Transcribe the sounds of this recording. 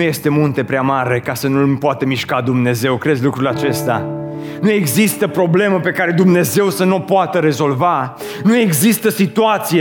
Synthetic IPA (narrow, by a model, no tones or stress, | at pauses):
uje̞st̪e̞munt̪e̞pɾeamaɾe̞kasənulmpoat̪əmiʃkad̪umne̞ze̞wkɾed̪zʲlukɾulat͡ʃe̞st̪ea̰ | nue̞ɡzist̪əpɾo̞ble̞məpe̞kaɾe̞d̪umne̞ze̞wsənopoat̪əɾe̞zo̞lva | nue̞ɡzist̪əsit̪uat̪sije